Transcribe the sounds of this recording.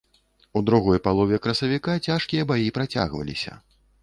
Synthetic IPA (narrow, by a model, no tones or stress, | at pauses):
ud̪ɾuɣɔjpalˠɔvʲɛkɾɐsɐvʲikat͡sʲaʂkʲijɐbajipɾat͡sʲa̰ɣvɐ̰lʲḭsʲɐ̰